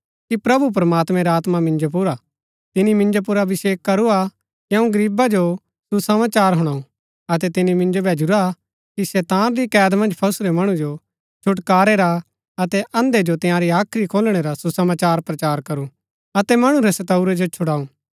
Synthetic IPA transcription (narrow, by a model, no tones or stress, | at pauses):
kipɾɐbup̬ɾɐmaːt̪mɛ̃ɾaːt̪mamɪ̃nd͡ʒop̬uɾa | t̪ɪnimɪ̃nd͡ʒop̬uɾaʋɪseːkːɐɾua | jɐ̃ũɡɐɾiːbad͡ʒo | susɐmaːt͡ʃaːɾɦʊɽ̃aːũ | ɐt̪ɛt̪ɪnimɪ̃nd͡ʒobʱɛːd͡ʒuɾa | kisɛːt̪aːnɾikɛːd̪mɐ̃nd͡ʒpʰɐsɾemɐɽ̃ũd͡ʒo | t͡ʃʰʊʈkaːɾeɾa | ɐt̪ɛʔɐ̃nd̪ed͡ʒot̪ɪ̃jãːɾiaːkʰɾikʰoːlɽ̃eɾasusɐmaːt͡ʃaːɾpɾɐt͡ʃaːɾkɐɾu | ɐt̪ɛmɐɽ̃ũɾesɐt̪ɐuɾed͡ʒot͡ʃʰʊɽaːũː